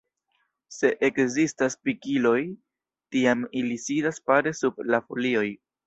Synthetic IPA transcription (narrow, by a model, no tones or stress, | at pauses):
se̞ʔekzistaspikilo̞j | tiamilisidaspaɾe̞sub̚lafolio̞j